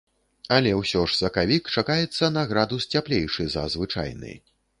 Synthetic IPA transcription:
ɐlʲɛwsʲɔʂsɐkavʲikt͡ʂakajɛt̪sːɐnɐɣɾad̪ust͡sʲaplʲejʂɨzɐ̰zvɨt͡ʂa̰jnɨ̰

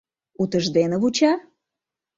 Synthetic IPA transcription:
ut̪ə̆ʒd̪enəβut͡ɕɑ

